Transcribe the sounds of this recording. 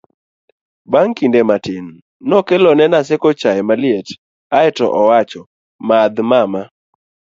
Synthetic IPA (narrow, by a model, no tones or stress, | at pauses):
baŋkindematɪnː | ɔkɛlɔnɛnasɛkɔt͡ʃaɛmalɪɛt | aɛtɔ̰ʔɔwat͡ʃɔ | mad̪mama